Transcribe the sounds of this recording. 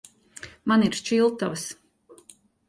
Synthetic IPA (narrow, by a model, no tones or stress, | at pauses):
maniɾʃt͡ʃilˠt̪avs